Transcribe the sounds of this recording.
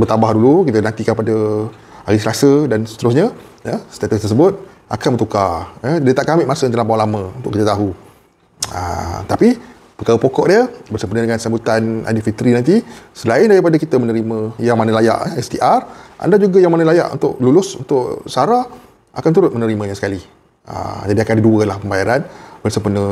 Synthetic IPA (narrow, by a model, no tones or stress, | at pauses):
bərt̪abahdulukit̪ənant̪ikanpada | aɾis̬əlasədansə̥t̪əɾʊsɲa | jəst̪at̪ust̪ərsəbʊt̪̚ | ʔa̰kanbənt̪ukaədiət̪aʔkamɪʔmasənt̪əlapaalamə̃unt̪ʊʔkːət̪ət̪aɦu | ə̰t̪api | pəkaɾəpokɔʔdiəbərsəmpunədəŋansambut̪ana̰difit̪ɾinant̪isəlaɪndaɾipadakit̪əmənəɾimə̃jaŋmanalaja̰ʔəɛst̪iʔarʔa̰ndad͡ʒuɡajaŋmanalaja̰ʔṵnt̪ʊʔlulʊsṵnt̪ʊʔsaɾa | ʔa̰kant̪uɾʊt̪̚mənəɾimãɲasə̥kali | ə̰d͡ʒadiakandiduəlahpəmbajaɾanbərsəmpənə